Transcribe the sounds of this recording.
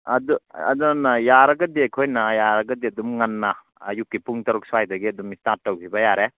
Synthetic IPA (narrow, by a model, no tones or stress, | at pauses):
ɐduɐ̰dɔnajaɾɐɡɐdekʰojnajaɾɐɡɐdeɐdumŋanːa̰ː | jukːipuŋtɐɾuk̚sajdɐɡiɐdumistat̚ːɐwkʰibɐjaɾe